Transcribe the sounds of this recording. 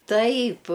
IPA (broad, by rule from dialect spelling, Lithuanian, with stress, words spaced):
ˈtɐɪp